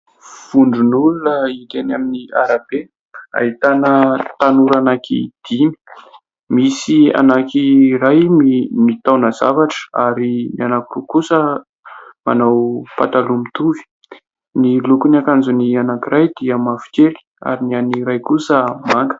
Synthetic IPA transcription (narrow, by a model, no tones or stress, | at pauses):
v̥uɳɖ͡ʐunulunəit̪enaminia̰ɾabe | a̰ɦit̪anət̪anuɾanakḭd̪̥ini̥ | misia̰nakiɾajmimit̪awnəza̰vaʈ͡ʂə̥aɾinianakirukusə | ma̰nawpat̪alumit̪uvi̥ | nilukuniakanzunianakirʔajd̪iəmafi̥keli̥a̰ɾinianiɾajkusəmaŋɡə̥